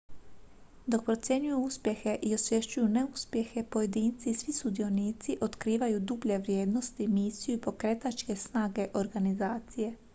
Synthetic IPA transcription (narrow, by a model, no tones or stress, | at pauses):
d̪o̞k̚pɾo̞t̪sʲje̞ɲujuuspje̞xe̞ʔio̞sʋje̞ʃt͡ʃujuneuspjexe̞po̞je̞d̪iːnt̪sisʋisud̪io̞niːt̪siʔo̞t̪kɾiːʋajud̪ubʎe̞ʋɾʲjeːd̪no̞st̪imiːsijuipo̞kɾet̪at͡ʃke̞snaːɡe̞ʔo̞ɾɡanizaːt̪sije̞